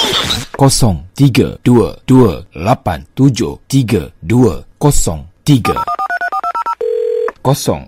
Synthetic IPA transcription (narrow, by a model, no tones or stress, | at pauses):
kɔsɔŋt̪iɡa̰d̥uəd̥uəlapant̪ud͡ʒoht̪iɡa̰duəkɔsɔŋt̪iɡa̰ | kɔsɔ̰ŋ